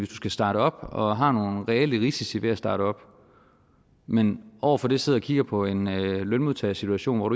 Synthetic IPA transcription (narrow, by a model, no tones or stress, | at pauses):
ʋe̝sd̥u̥sɡ̥æsd̥ɑ̈ːɾəɒ̽b̥ɒ̽ɦɑ̈no̝ːnʁɛeliʁisisiʋe̝æsd̥ɑ̈ːɾəɒ̽b̥ | menʔɒʊ̰ɐfɒ̽d̥e̝se̝ð̞ˠɒ̽kʰiɡ̥ɐpʰɒ̽e̝nlønmuðˠt͡sʰɛ̰ːsit͡sʰuæɕo̝̰ːnʋɒ̰ɾ̥u